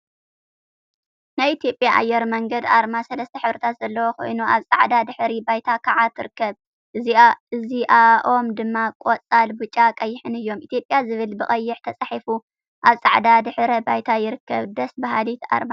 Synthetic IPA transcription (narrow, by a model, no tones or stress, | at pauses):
najʔit̪ʰijo̞pʼjaʔa̰jːɛɾmɐŋɡɐd̪aɾmasɐlɐst̪ʰɐħɨβɾit̪ʰat̪z̥ɐlːɐwoko̰jnuʔaβsʼaʕd̪ad̪ɨħɾibajt̪ʰakʰaʕat̪ʰːɨɾɨkʰːɐβ | ʔɨziaɨziʔaʔo̞md̪ɨmːakʼot͡sʼalbut͡ʃʼakʼɐjːɪħɨnɨjːo̞mʔit̪ʰijo̞pʼjazɨβɨlbɨχʼɐjːɪħt̪ʰɐt͡sʼaħifu | ʔaβsʼaʕd̪ad̪ɨħɾɐbajt̪ʰajɪɾɨkʰːɐβd̪ɐsbaɦalit̪a̰ɾma